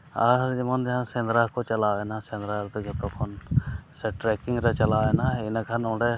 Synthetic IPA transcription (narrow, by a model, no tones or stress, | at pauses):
aɾd͡ʒɛmɔnd͡ʒaɦãsɛ̃nd̪ɾakɔt͡ʃalawɛnasɛ̃nd̪ɾaɾd̪ɔkɛt̪ɔkʰɔnsɛʈɾɛkiŋɡɾɛt͡ʃɐlawɛnainakʰanɔɖɛ